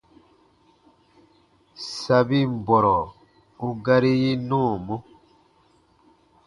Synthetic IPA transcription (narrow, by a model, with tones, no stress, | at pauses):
sa˨bi˦m̩˨bɔ˨ɾɔ˨ | u˦ɡa˦ɾi˦ji˦nũ˦˨mo˦